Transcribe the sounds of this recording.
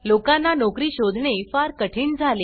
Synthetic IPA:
lokãnːanɔkɾiːɕod̪ʱɳefaɾkəʈʰiːnd͡zʱale

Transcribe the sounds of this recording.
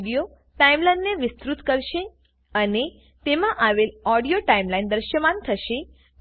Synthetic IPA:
ɽijo | ʈaimlajnːeʋɪst̪ɾut̪kəɾʃe | əne | t̪emãʔaʋelɔɽijoʈaimlajnd̪əɾʃəmant̪ʰəʃe

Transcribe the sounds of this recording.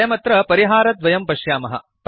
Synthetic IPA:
jɐmɐt̪ɾɐpɐɾiɦaːɾɐt̪̚ʋɐjɐmpɐʂjaːmɐɦɐ̰ | p

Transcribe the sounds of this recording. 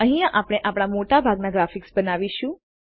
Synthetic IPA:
ə̃ɦĩãʔapɽ̃eʔapɽ̃amoʈabʱaɡnaɡɾafiksbənaʋiʃũ

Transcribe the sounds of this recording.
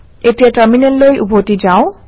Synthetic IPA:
et̪iaʈəɾminelːojʔubot̪id͡ʑao

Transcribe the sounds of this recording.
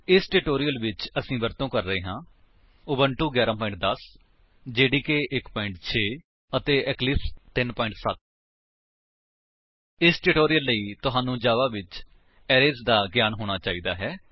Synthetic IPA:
ɪsʈɪʈoːɾijəlʋɪt͡ʃəsĩːbəɾt̪õːkəɾːəeːɦãː | ʊbəɳʈuːɡjaːɾaːpɔːɪ̃ɳʈ̚d̪əs | d͡ʒeːɽiːkeːʔɪkpɔːɪ̃ɳʈ̚t͡ʃʰeː | ət̪eːʔɛklɪst̪ɪnpɔːɪ̃ɳʈsət̪̚ | ɪsʈɪʈoːɾijəlːəiːt̪ʊɦaːnũːd͡ʒaːʋaːʋɪt͡ʃ | ɛːɾeːzd̪aːɡjaːnɦoːɽ̃aːt͡ʃaːiːd̪aːɦɛː

